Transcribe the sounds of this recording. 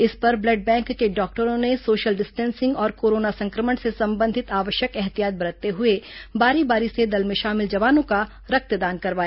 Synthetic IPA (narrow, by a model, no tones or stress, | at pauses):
ɪspɐɾblɐɖ̚bɛ̃ːŋkːeɖɔːk̚ʈəɾõnesoːʃəlɖɪsʈɛ̃ːnsɪ̃ŋɡɔːɾkoːɾoːnasɐ̃ŋkɾəməɳsesɐ̃mbə̃nd̪ʱɪt̪aːʋəʃjəkɛɦt̪ijaːt̪̚bɐɾət̪ːeɦʊebaːɾibaːɾised̪ɐlmẽʃaːmɪld͡ʒɐʋaːnõka | ɾɐk̚t̪d̪aːnkɐɾʋaːjaː